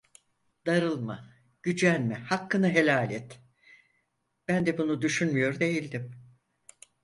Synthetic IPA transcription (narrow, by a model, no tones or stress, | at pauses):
d̪̥aɾɯlˠma̰ | ɟ̥yd͡ʒænʲmɛhakːɯnaɦe̞lʲaːlʲɛt̪ | b̥ænd̪ɛbunud̪yʃynmyjo̞ɾd̪e̞jilʲd̪im